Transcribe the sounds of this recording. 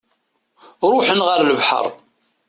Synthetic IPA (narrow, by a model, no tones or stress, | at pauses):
ɾˤʊħənʁəɾləvħə̰ɾˤ